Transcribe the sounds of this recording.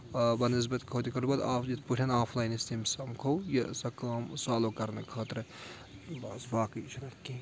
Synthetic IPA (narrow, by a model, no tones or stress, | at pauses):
bɐnɪz̬bɐt̪ʲkʰoːt̪ʲikɐɾbɐd̪aːfjit̪ʰpuʈʰʲɐnaːflaːjnist̪imsɐmkʰowjɐsɐkaːmsaːloːkɐɾnɐkʰaːt̪ɾɨ | bɐsbaːkɨt͡ʃɾɐkʲːiː